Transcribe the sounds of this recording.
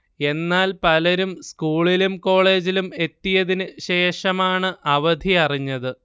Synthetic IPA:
e̞nːaːlpɐlɐɾumskuːɭilumko̞ːɭe̞ːd͡ʑilume̞t̪ːijɐðinɨɕe̞ːʂɐmaːɳɨʔʔɐʋɐd̪ʱiɐriɲːɐðɨ

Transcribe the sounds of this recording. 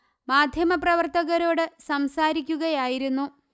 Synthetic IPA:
maːd̪ʱjɐmɐprɐʋɐrt̪ɐɣɐɾo̞ːɽɨsɐmsaːɾikʲːuɣɐjaːjiɾunːu

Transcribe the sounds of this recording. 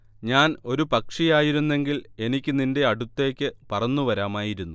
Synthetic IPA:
ɲaːno̞ɾupɐkʂijaːjiɾunːe̞ŋɡile̞nikʲːɨnindeɐɽut̪ːe̞ːkʲːɨpɐrɐnːuʋɐɾaːmaːjiɾunːu

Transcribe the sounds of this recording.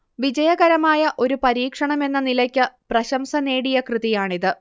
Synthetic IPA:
ʋid͡ʑɐjɐɣɐɾɐmaːjɐʔo̞ɾupɐɾiːkʂɐɳɐme̞nːɐnilɐkʲːɨprɐɕɐmsɐne̞ːɽijɐkrɨðijaːɳiðɨ

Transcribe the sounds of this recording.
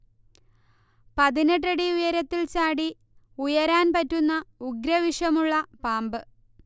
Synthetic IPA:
pɐðineʈːɐɽiujɐɾɐt̪ːilt͡ɕaːɽi | ujɐɾaːnpɐtːunːɐuɡɾɐʋiʂɐmuɭːɐpaːmbɨ

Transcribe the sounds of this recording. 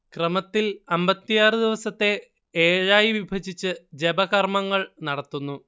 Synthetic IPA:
krɐmɐt̪ːilɐmbɐt̪ːijaːrɨd̪iʋɐsɐt̪ːe̞ | eːɻaːjiʋibʱɐd͡ʑit͡ɕːɨd͡ʑebɐɣɐrmɐŋːɐɭnɐɽɐt̪ːunːu

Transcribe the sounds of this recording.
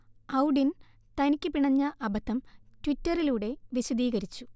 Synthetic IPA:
ɐwɖin | t̪ɐnikʲːɨpiɳɐɲːɐʔɐbɐt̪ʰːɐmtwitːɐriluːɽe̞ʋiɕud̪iːɣɐɾit͡ɕːu

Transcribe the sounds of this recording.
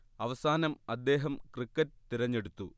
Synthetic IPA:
ɐʋɐsaːnɐmɐd̪ːe̞ːɦɐmkrikːɐt̚t̪iɾɐɲːe̞ɽut̪ːu

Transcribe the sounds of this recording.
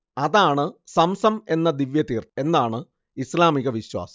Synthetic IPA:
ɐðaːɳɨsɐmsɐme̞nːɐd̪iʋjɐðiːre̞nːaːɳɨ | islaːmiɣɐʋiɕwa̰ːsɐ

